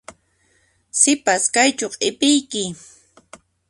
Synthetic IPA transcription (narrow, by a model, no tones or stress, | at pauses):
sɪpaskajt͡ʃoqʼɪpɪjkɪ